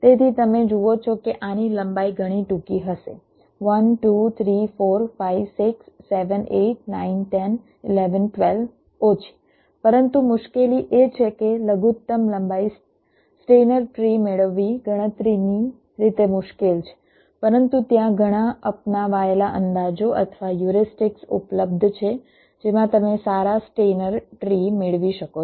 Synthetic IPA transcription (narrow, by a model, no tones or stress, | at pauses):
t̪et̪ʰit̪əmẽd͡ʒuʋot͡ʃʰokeʔaniləmbaiɡʱəɽ̃iʈũkiɦəʃḛ | ʋənʈut̪ʰɾifoɾfaiʋsiksːeʋəneʈ̚nainʈɛn | ɪleʋənʈʋel | ot͡ʃʰi̥ | pəɾənt̪umʊʃkeliʔet͡ʃʰekeləɡut̪ːəmləmbai | sʈenəɾʈɾimeɭʋːiɡʱəɽ̃ət̪ɾini | ɾit̪emʊʃkelt͡ʃʰe̥ | pəɾənt̪ut̪jãɡʱəɽ̃aəpnaʋaelaʔənd̪ad͡ʒoʔə̰t̪ʰəʋajuɾisʈɪksṵpləb̚d̪ʱt͡ʃʰe | d͡ʒemãt̪əmesaɾasʈenəɾʈɾimeɭʋiʃəko